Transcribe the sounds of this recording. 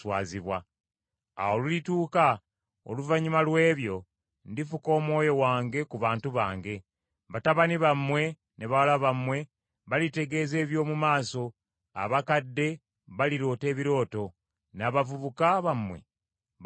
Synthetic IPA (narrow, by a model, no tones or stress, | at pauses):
waːziβwa | a̰wolulituːka | o̰luvaɲimalwe̞ːβjo̞ | ndifuko̞ːmwo̞ːjo̞waːŋɡe̞kuβaːntuβa̰ːŋɡe̞ | βataβaniβamwe̞ | ne̞βawalaβamwe̞ | βalite̞ɡe̞ːze̞ːβjo̞ːmumaːso̞ | a̰βakadːe̞ | βaliɾo̞ːte̞ːβiɾo̞ːto̞ | naβavuβukaβamwe̞̰